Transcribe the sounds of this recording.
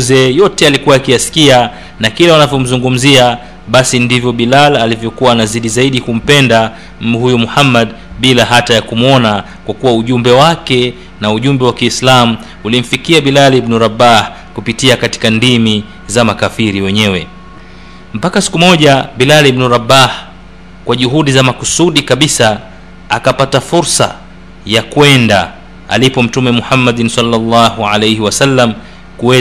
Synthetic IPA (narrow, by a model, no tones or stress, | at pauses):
zɛjɔtɛalikuwaakijasi̥kia | nakilawanavjɔm̩zuŋɡum̩zia | ɓasindivjɔɓilalalivjɔkuwaːnaziɗizaiɗikum̩pɛnda | m̩miɦujumuhamːad | ɓilaɦatajakumwɔna | kwakuwauʄumbɛwakɛ | nauʄumbɛwakiːslamu | ulim̩fikiaɓilalibnuɾabah | kupitiakati̥kandimi | zamakafiɾiwɛɲɛwɛ | m̩pakasi̥kumɔʄaɓilalibnuɾabah | kwaʄuɦuɗizamakusuɗikaɓisa | akapatafuɾsa̰ | jakwɛnda̰ | a̰lipɔm̩tumɛmuhamːaɗnsalːalːɑɦuʕalejhiwasalːam | kuwɛ